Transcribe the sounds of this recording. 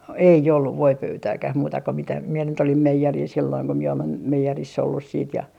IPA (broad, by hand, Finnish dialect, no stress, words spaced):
ei olːuʋ ʋoipøytæːkæh muːtɑ ko mitæ mie nyt olim meijeril silːoiŋ ko mie olen meijerisː olːus siːt jɑ